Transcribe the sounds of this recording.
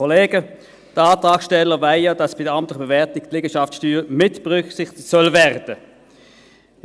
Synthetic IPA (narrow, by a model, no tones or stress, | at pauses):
ɔleːɡə | d̥əɑːtʁɑːksʃtɛlːəvaɪjad̥ɑsb̥ɪdəɑmtlɪχəb̥evɛɐtɪk̚tlɪːɡəʃɑfsʃtyːʁmɪtb̥eʁʏksɪχtɪ̥sœlvɛʁd̥ə